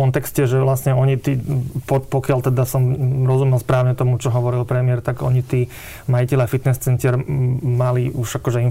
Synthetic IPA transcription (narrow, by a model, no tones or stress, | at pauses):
ɔnt̪ɛkscɛʒɛʋlasɲɛɔɲit̪iːpɔpɔkɪalt̪ɛd̪asɔmɾɔzumɛlspɾaːʊɲɛt̪ɔmut͡ʃɔɦɔʋɔɾilpɾɛmɪɛɾt̪aɡɔɲit̪iː | majicɛʎafit̪nɛst͡sɛnt̪ɪɛɾmaliuʒakɔʒɛin